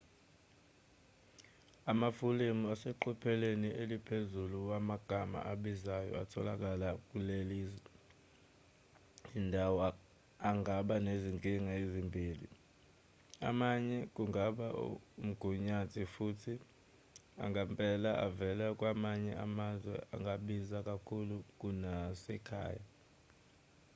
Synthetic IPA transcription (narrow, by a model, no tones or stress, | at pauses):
amafulemuasɛǃupʰɛlenielipʰezuluwamaɡ̥ʱama̰ʔaɓizajɔ̰atʰɔlak̬ʼalak̬ʼulelizwɛ | indʱawɔ | aŋɡʱaɓaneziŋkʼiŋaezimbʱiːlḭ | a̰maɲɛk̬ʼuŋaɓaṵum̩ɡ̥ʱuɲatʼʰifutʰi | a̰ŋampʼɛlaʔavɛlak̬ʼwamaɲɛamazwɛ̰a̰ŋʱaɓizak̬ʼakʰuluk̬ʼunasɛkʰa̰ːja